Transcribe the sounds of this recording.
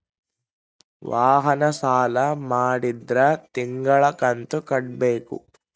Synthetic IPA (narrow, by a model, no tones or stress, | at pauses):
ʋaːɦɐnɐsaːlɐmaːɽid̪ɾɐt̪iŋɡɐɭɐkɐnt̪ukɐʈ̚beːkṵ